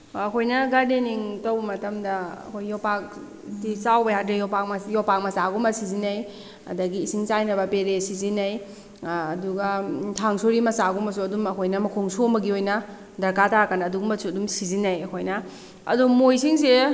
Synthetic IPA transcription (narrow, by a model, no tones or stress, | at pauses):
ɐkʰojnɐɡadeniŋtɐwbɐmɐtɐmdɐɐ̰kʰojːɔpak̚ | disawbɐjakdejɔpak̚majɔpak̚mɐsaɡumbɐsizinɐj | ɐ̰dɐɡiːsiŋt͡ʃajnɐbɐpeɾesizinɐjː | duɡɐtʰaŋsoɾimɐsaɡumɐs̬uɐdumɐkʰojnɐmɐkʰoŋsuombɐɡiojnɐ | dɐɾkatakɐnːduɡumbɐsuɐdumsizinɐjɐkʰojnɐ | ɐ̰dumojsiŋse